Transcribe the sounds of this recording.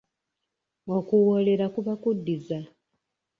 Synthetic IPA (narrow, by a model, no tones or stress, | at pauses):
okuwole̞ɾakuβakudːiza